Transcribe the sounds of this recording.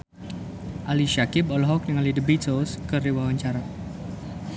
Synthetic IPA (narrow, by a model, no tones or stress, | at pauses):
ʔaliʃakɪbɔlɔɦɔk̚nəŋalidəbisoskəriwawaɲt͡ʃaɾa